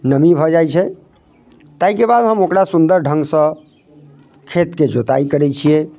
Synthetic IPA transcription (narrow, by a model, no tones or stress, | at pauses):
nəmibʱɔd͡ʒajt͡ʃʰɛ | t̪aikebad̪ɦəmokɾasund̪əɾɖʱəŋɡsə̃ | kʰet̪ked͡ʒot̪a̰ikəɾɛt͡ʃʰiɛ